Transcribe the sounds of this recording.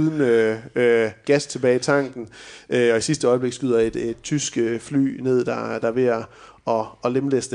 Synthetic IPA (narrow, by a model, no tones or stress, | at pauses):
ðˠnø | ɡ̥æst͡sʰe̝b̥ɛːɪit͡sʰɑ̈ŋ̰ɡ̥n̩ʔøɒ̽isisd̥əɒɪb̥le̝ɡ̥sɡ̥yð̞̰ˠɐe̝d̥ed̥t͡sʰysɡ̥əfly̰ːne̝ð̞̰ˠd̥ɑd̥ɑ̈ʋe̝ɐ | ɒ̽ɒlemlesd̥